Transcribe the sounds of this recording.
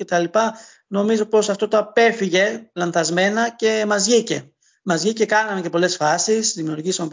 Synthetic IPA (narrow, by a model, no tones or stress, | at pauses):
e̞t̪ɐlipɐ | no̞mizo̞po̞sɐft̪o̞t̪oɐpe̞fiʝe̞lɐnθɐzme̞nɐce̞mɐzʝice̞ | mɐzʝice̞kɐnɐme̞ce̞po̞le̞sfɐsisðimiuɾʝisɐmop